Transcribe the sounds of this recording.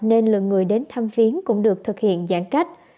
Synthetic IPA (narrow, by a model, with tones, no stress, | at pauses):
ne˧nlɨ̰˧˨əŋːɨ˨˩əjɗe˨˦nt̪ʰa˧mfi˨˦ənkʊ̰˧˥ŋ͡mɗɨ˨˩ək̚t̪ʰɨ˨˩k̚hḭ˧˨ənzaː˧˥˩ŋka˦˥jk̟̚